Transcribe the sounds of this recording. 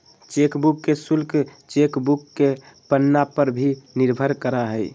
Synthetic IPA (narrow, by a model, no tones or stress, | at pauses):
t͡ʃekbukːesulkt͡ʃekbukːe | pənːapəɾbʱiniɾbʱəɾkəɾaɦəj